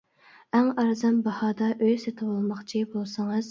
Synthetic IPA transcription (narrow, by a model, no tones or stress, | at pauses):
æŋɑɾzɑmbɑhɑːd̪ɑʔøjset̪ʰɨwɑlˠmɑχt͡ʃʰibolˠsɨŋɨz̥